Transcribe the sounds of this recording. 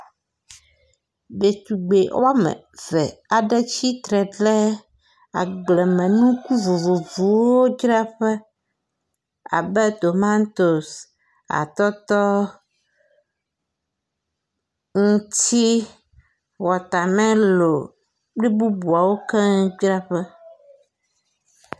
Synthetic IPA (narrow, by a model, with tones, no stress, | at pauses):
be˨t̪u˨ɡ͡be˨wo̰˦a˦mɛ̰̃˨ | vɛ˨a˨ɖɛ˦t͡ɕi˦t̪ɾɛ˨ɖlɛ˦ | a̰˨ɡ͡blɛ˨mɛ̃˨nũ˦ku˦vo˨vo˨vu˨wo˦d͡ʒɾɛ˦ɸɛ˦ | a̰˨bɛ˦d̪o˨ma˦nt̪o˨s | a̰˨t̪ɔ˦t̪ɔ˦ | ŋũ˦t̪i˦ | wɔ˨t̪a˨mɛ̃˦lo˨ | k͡pli˦bu˦bu˨a˨wo˦kɛ˦d͡ʒɾa˦ɸɛ˦